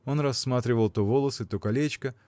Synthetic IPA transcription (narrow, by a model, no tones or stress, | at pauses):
o̞nrɐsːmat̪ɾʲɪvəlˠt̪ovo̞lˠəsɨt̪okɐlʲet͡ɕkə